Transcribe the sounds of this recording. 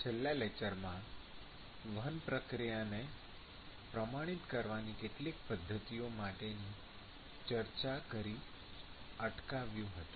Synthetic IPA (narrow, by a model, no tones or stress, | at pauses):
t͡ʃʰelːalet͡ʃəɾmã | ʋəɦənpɾəkɾijane | pɾəmaɽ̃it̪kəɾʋanikeʈlik̚pəd̪ʱːət̪iomaʈeni | t͡ʃəɾt͡ʃakəɾi | əʈkaʋjũɦət̪ũ